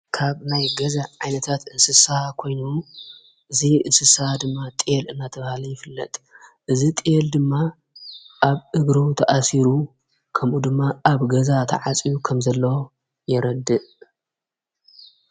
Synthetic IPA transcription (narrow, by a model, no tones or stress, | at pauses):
kʰaβnajɡɐzaʕajnɐt̪ʰat̪ɨnsɨsɐhakʰo̞jnu | ʔɨziɨnsɨsɐhad̪ɨmːat̪ʼelɨnːat̪ʰɐβɐhalijɪfɨlːɐ̰t̪ʼʔɨzit̪ʼjeld̪ɨmːa | ʔaβʔɨɡɾɨt̪ʰɐʔasiɾu | kʰɐmʔud̪ɨmːaʔaβɡɐzat̪ʰɐ̰ʕat͡sʼijukʰɐmzɐlːɐwo | jɛɾɐd̪ːɨʔ